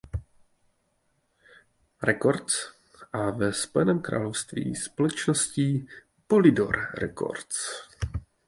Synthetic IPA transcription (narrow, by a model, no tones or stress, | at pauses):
ɾɛko̞ɾt̪t͡s | ʔavɛspojɛnɛːmkɾa̰ːlo̞fst̪vḭːspolɛt͡ʃnosciː | po̞lɪdo̞ɾɾɛ̰ko̰ɾt̪t͡s